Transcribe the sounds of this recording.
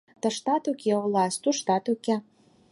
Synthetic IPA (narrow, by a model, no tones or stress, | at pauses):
t̪ə̆ʃt̪ɑt̪ukeolɑst̪uʃt̪ɑt̪ukæ